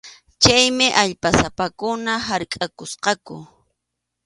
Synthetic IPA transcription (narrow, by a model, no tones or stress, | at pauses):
t͡ʃajmɪʔaʎpasapakʊnaɦaɾkʼakʊsqɑkʊ̰